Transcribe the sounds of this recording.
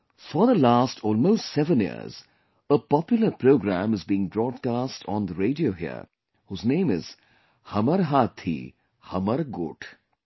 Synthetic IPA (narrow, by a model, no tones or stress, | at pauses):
fɔðəlaːstʰɔːlmoːstsɛʋə̃njḭə̰ɾz | əpɔpjʊləɾpɾoːɡɾæ̰̃mɨzbiːɪ̃ŋbɾɔːɖ̚kaːstʰɔ̃n̩d̪əɾeːɖioːɦḭə̰ | huːznẽːmɪ̰z̥ | hʌməɾɦaːt̪ʰḭ | hʌməɾɡʊ̰ʈʰ